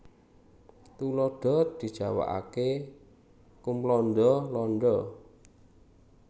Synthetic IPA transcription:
t̪ulɔɖ̥ɔ̤d̪̥i̤d̥ʒ̥a̤wa̰ʔa̰ke | kumplɔnɖ̪ɔlɔnɖɔ

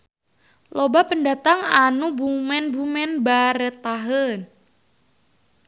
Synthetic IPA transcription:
lobapəndat̪aŋanubumɛnbumɛnbaɾət̪aɦən

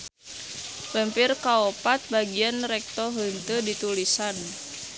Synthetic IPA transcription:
bəmpirkaopat̪̚baɡianrɛk̚t̪ɔɦənt̪ədit̪ulisan

